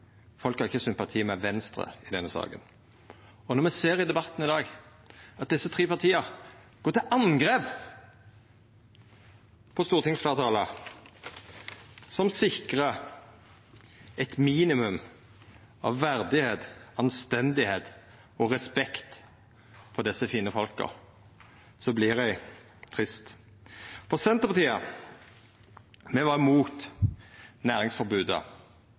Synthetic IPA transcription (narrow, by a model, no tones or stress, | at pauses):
fɔlkhɑɾʁɪçːəsʏmpɑt̪ʰiːmɛʋɛnst̪ɾə̰ɪd̪ɛnːəsɑ̰ːɡə̰n | ɔnɔʁmɛseːɾɪd̪ɛbɑt̪ːn̩ɪd̪ɑːɡ | ɑt̪̚d̪ɪsːət̪ʰʁeːpɑʁt̪ʰiːə | ɡ̥oːɾt̪ɪlʔɑnɡʁeːp | pʰɔst̪uːʁət̪ʰɪŋsflɑːʁt̪ʰɑːlə | sɔmsɪkʁə | ɛt̪miːnɪmʉm | ɑ̰ʋːæʁd̪ɪheːt̪ɑnst̪ɛnd̪ɪheːt̪ | ɔʁɛspɛkt̪ | pʰɔd̪ɛsəfiːnəfɔlkə̰ʁ | sɔblɪʁæɪ | t̪ʰʁɪst̪ | pʰɔsɛnt̪əpɑt̪ʰiːɑ | mɛʋɑʁmuːt̪ | næːʁɪŋsfɔʁbʉːd̪ə̰